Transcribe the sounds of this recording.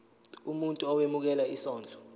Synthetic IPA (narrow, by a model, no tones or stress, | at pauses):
umuntʼuɔwemuk̬ɛlaisɔːnd͡ɮʱɔ